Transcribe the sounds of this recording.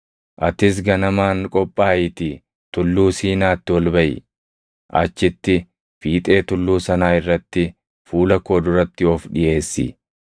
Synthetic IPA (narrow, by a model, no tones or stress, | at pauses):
ʔɐt̪ɪs̬ɡɐnɐmaːŋkʼɔpʼːaːʔɪt̪ɪ | t̪ʊlːuːsiːnaːt̪ːɪwɔlbɐʔɪ̰ | ʔɐ̰t͡ʃːɪt̪ːɪ | fiːt̪ʼe̞ːt̪ʊlːuːsɐnaːɪrːɐt̪ːɪ | fuːlɐkoːd̪ʊɾɐt̪ːɪɔfᶑɪʔe̞ːsːɪ̰